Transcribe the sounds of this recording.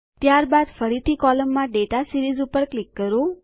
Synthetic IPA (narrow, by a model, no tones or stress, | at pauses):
t̪jaɾbad̪fəɾit̪ʰikɔləmːãɖeʈasiɾizupəɾklikːəɾo